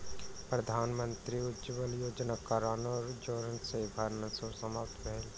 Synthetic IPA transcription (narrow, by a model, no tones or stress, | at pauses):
pɾəd̪ʱaːnmə̃nt̪ɾiʊd̪d͡ʒəbəljoːd͡ʒnakaɾaːnoːɾd͡ʒoːɾənsebʱɐɾnəsosəmaːp̚t̪ʰpɛɦɛl